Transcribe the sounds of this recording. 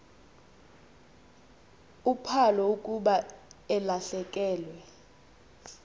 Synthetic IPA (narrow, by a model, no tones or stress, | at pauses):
upʰalɔukʼuɓaɛlaɬɛkʼɛːlwɛ